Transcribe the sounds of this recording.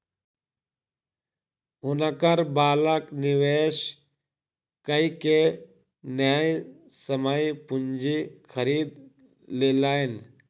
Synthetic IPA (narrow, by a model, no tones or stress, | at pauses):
ɦʊnəkəɾbaːləknɪʋeːʃ | kəike | njaːj | səməjpʊɲd͡ʒikʰəɾiːd̪ | leːlaːen